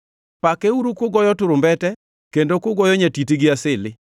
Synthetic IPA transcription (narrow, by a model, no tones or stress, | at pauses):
pakɛuɾukoɡɔjɔtʊɾʊmbɛtɛ | kendokʊɡɔjɔɲatitiɡɪasɪlɪ